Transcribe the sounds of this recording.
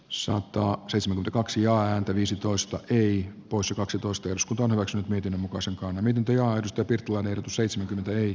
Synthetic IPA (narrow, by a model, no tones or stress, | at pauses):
sɑ̰t̪ɑːseit̪semæŋkymeækɑksijɑːæːnt̪æʋiːsit̪oist̪ɑʔeipoisjɑkɑksit̪oist̪ɑeroskunt̪ɑonhyʋæksynyt̪miet̪inːømmukɑiseŋkɑnːɑmiet̪int̪æjɑːedust̪ɑjɑpirt̪ːilɑinenerot̪useit̪semæŋkyment̪æei